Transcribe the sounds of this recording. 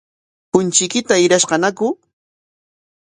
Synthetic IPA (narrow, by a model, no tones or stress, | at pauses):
hʊnt͡ʃɪkɪt̪aɪɾaʃqɑnakʊ